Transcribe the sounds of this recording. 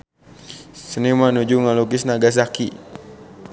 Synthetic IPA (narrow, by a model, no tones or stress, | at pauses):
sənimanud͡ʒuŋaluk̬isnaɡas̬aki